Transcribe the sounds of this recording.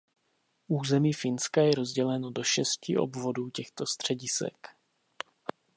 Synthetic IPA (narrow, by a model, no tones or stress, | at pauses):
ʔuːzɛmiːfɪnskajɛɾo̞zɟɛlɛno̞do̞ʃɛscɪʔo̞̰bvo̞duːcɛxt̪o̞st̪r̝̥ɛɟɪsɛ̰k